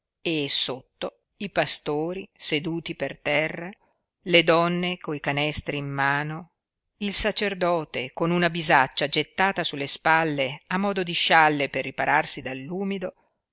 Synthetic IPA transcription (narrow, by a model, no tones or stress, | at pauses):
esot̪ːo | ipast̪oːɾised̪uːt̪ipert̪ɛrːa | led̪ɔnːekoikanɛst̪ɾiːmːaːno | ilsat͡ʃerd̪ɔːt̪ekonunabizat͡ʃːad͡ʒet̪ːaːt̪asulːespalːeamːɔːd̪od̪iʃalːeperːipaɾʔarsid̪alːuːmid̪o